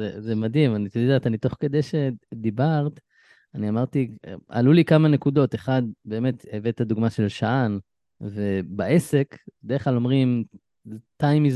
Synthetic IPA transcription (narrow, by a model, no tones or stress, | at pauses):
zezemad̪ɦimanit̪od̪at̪anit̪o̞χke̞d̪ejʃe̞d̪ibaʁt̪ | aniamaʁt̪ia̰lulikamane̞kud̪o̞t̪eχad̪̚be̞ːme̞t̪evet̪ad̪uɡmaʃe̞lʃaan | ve̞baʔe̞se̞kd̪eeχlalo̞mʁim | tajmiz